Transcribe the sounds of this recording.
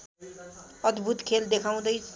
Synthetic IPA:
ʌd̪bʱut̪kʰeld̪ekʰaw̃d̪ʌjʰ

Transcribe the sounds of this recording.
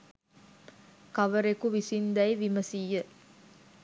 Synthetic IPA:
kɐʋəɾekuʋisind̪ɐjʋiməsijːə

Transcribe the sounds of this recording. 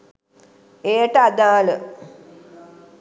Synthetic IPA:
ejəʈəad̪aːlə

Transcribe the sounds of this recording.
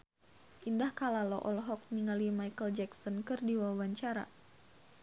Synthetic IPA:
ʔindahkalalɔʔɔlɦɔk̚niŋalimajkəld͡ʒɛksɔnkɨrdiwawaɲt͡ʃaɾa̰

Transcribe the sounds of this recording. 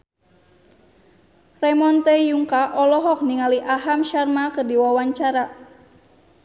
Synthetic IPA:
rɛmɔnt̪ɛjuŋkaʔɔlɔɦɔk̚niŋaliʔaɦamʃarmakərdiwawaɲt͡ʃaɾa

